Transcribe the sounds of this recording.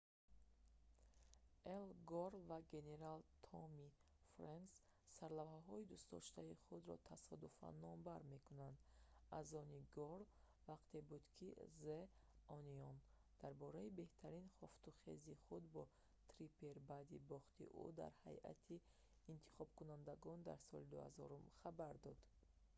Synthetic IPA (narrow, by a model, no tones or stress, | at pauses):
elɡɔɾvaɡe̞ne̞ɾalt̪ʰɔmi | fɾans | saɾlavhaɦɔid̪ust̪d̪ɔ̰ʃt̪aiχud̪ɾɔ̰t̪ʰasɔd̪ufa̰nːɔmbaɾme̞kunand̪azɔniɡɔɾ | vaqt̪ʰe̞bud̪kʰizeɔniɔn | d̪̥aɾbɔɾaibe̞ht̪ʰaɾinχɔft̪uχḛziχud̪bɔ | t̪ʰɾipʰe̞ɾbad̪ibɔχt̪ʰḭʔṵd̪a̰ɾha̰jʔa̰t̪ʰiː | nt̪ʰi̥χɔb̚kunand̪aɡɔnd̪a̰ɾsɔ̰lid̪uha̰zɔɾumχabaɾd̪ɔd̪̥